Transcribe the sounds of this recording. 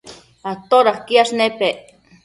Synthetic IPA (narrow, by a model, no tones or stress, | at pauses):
at̪oɾaχkiaʃnepeʔ